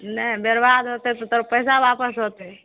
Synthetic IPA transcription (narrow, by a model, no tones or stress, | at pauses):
nəbeɾbad̪ɦot̪et̪ɔt̪oɾpəjsabapəsɦot̪e